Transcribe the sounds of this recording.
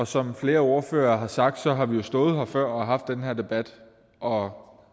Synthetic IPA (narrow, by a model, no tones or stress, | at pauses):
ɒ̽sɒ̽mfle̝ːɐo̝ɐfø̰ːɐːɦɑ̈sɑ̈ɡ̥̚d̥sɒ̽ɦɑ̈ʋijo̝sd̥ɔ̽ːð̩ˠhɑfɶɐ̰ɒɑ̈ɦɑ̈fd̥ːenɦæɐ̰d̥e̝b̥æd̥ | ʔɒ̽